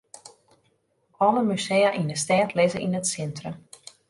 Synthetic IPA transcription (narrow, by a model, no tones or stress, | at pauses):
ɔləmysejaʔindəstɛːtlɪzəʔinətsɛntrəm